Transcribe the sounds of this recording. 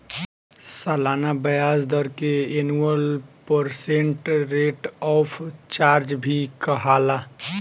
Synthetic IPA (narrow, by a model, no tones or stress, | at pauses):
salaːnabəjaːsd̪əɾkeenuəlpəɾsẽɳʈɾeːʈɔːpʰt͡ʃaːɾd͡ʒbʱikəɦaːla